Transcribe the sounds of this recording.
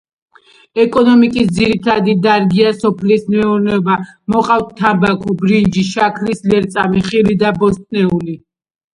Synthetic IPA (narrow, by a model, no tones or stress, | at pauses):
ɛkʼɔnɔmikʼisd̪ziɾit̪ʰad̪id̪aɾɡiasɔpʰlismɛuɾnɛɔbamɔqʼaft̪̚t̪ʰːabakʰɔbɾind͡ʒiʃakʰlislɛɾt̪sʼa̰miχilid̪abɔst̪ʼnɛuli